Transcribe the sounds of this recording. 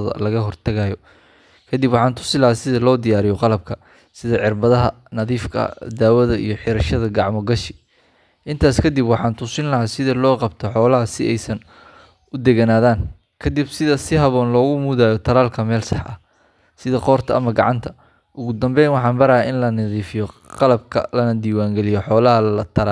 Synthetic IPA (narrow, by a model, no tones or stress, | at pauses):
ɐ̰lɐɣɐɦɔrt̪ʰɐɣaːjɔ | kʰɐd̪ibwɑħɑːnt̪ʰʊ̥sɪlɐɦaːsɪðɐlɔːd̪ɪjaːɾɪjɔqɑlɐb̚kʰɐ | sɪðɐʕɪrbɐðɐɦɐ | nɐðiːfkʰɐ̰d̪aːwɐðɐḭjɞħɪɾɐʃɐðɐɡɑʕmɔɡɐʃɪ̥ | ʔɪnt̪ʰaːskʰɐd̪ibwɑħɑːnt̪ʰʊsɪnlɐɦaːsɪðɐlɔːqɑbt̪ʰɔħɔːlɐɦɐsɪɛjsɐn | ʔʊd̪ɛɣɐnaːðaːn | kʰɐd̪ibsɪðɐsɪɦɐβɔːnlɔːɣʊmuðaːjɔt̪ʰɐlaːlkʰɐmɛːlsɑħʔɐ̰ | sɪðɐqɔːrt̪ʰɐɐmɐɡɑ̰ʕɑ̰nt̪ʰɐ | ʔʊɣʊd̪ɐmbɛjnwɑħɑːnbɐɾɐjaɪnlɐnɐðiːfɪjɔqɑlɐb̚kʰɐ̰lɐnɐd̪iːwaːŋɡɛlɪjɔħɔːlɐɦɐllɐt̪ʰɐɾa